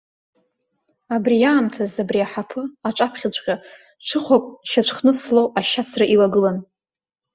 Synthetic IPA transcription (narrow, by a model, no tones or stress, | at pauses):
abrijaːmtʰazabriaħapʰɨaʈ͡ʂʷʼapʰχʲat͡ɕʷʼqʲa | ʈ͡ʂʰɨχʷakʷʼʃat͡ɕʷʰχnɨslowaʃat͡sʰraʔilaɡɨlan